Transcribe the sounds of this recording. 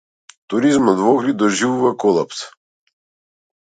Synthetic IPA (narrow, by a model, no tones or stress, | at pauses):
t̪uɾizmɔd̪vɔɡɾid̪ɔʒivuvakɔlˠaps